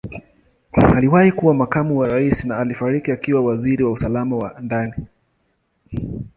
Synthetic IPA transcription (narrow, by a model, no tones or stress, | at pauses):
aliwahikuwamakamuwaɾaisinaːlifaɾikiakiwawaziɾiwausalamawandani